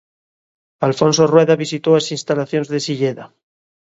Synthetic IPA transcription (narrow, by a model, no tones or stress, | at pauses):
alfo̞nsorweðaβisit̪oaesinst̪alaθjo̞nzðesiʎeða